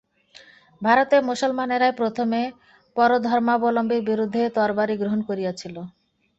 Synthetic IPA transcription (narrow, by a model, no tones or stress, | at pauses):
bʱaɾot̪emusolmaneɾaepɾot̪ʰome | pɔɾod̪ʱɔɾmaobolombiɾbiɾud̪ʱːet̪ɔɾbaɾiɡɾoɦonkoɾijet͡ɕʰilo